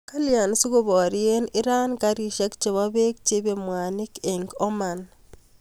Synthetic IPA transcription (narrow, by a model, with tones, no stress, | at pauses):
ka˦lja˨n˦si˦ɣo˦βɔ˨ɾie˦ni˦ɾa˦nka˦ɾi˦˨ʃa˦kt͡ʃe˨βa˦βe˦kt͡ʃi˦βe˨mwa˨ni˦ke˨ŋɡo˦ma˨n